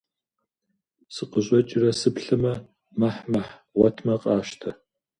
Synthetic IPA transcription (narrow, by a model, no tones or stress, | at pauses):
sɨqəʑʼɐt͡ʃʼɪrɐsɨpɬɨmɐ | mɐħmɐħ | wɐtʰmɐqʼɑːʃtʰɐ